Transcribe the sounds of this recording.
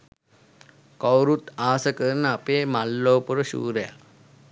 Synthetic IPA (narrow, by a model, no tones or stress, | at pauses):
kowɾut̪aːsəkəɾnəapeːmalːoːpuɾəʃṵːɾəja̰